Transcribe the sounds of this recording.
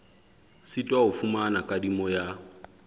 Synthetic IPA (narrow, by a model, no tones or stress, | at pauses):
sitʼwaɦʊfumanakʼadimɔja